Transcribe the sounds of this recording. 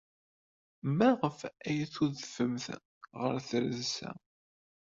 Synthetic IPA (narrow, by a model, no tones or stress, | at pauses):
mæʁəfæjəθuðfəmθ | ʁə̰ɾθɾəðsæ̰